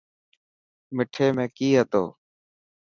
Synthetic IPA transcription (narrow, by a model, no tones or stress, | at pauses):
mɪʈʰeːmẽːkiːɦət̪o̰ː